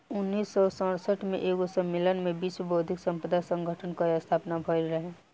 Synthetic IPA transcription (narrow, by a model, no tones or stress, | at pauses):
ʊnːiːsːɔsə̃səʈʰmḛ̃ʔeːkosəmːɪlənmẽbiːsbəɦʊd̪ʱɪksə̃mpɾəd̪asə̃ŋɡʱəʈʰənkaast̪ʰaːpnabʱəɾɾəɦɛ̃ː